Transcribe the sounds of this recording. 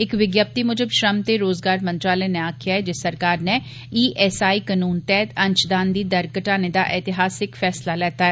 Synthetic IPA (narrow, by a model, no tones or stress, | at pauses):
ɪkʋɪɡjaːp̚t̪iːmʊd͡ʒəbʃɾəmt̪eːɾoːzɡaːɾmə̃nt̪ɾaːləneːaːkʰɪjaːɦɛːd͡ʒɪsəɾkaːɾnɛː | iːʔɛːsaːiːkənuːnt̪ɛːt̪ə̃nt͡ʃd̪aːnd̪iːd̪əɾkəʈaːneːd̪a̰ːʔɛt̪ɪɦaːsɪkfʰɛːslalɛːt̪aːɦɛː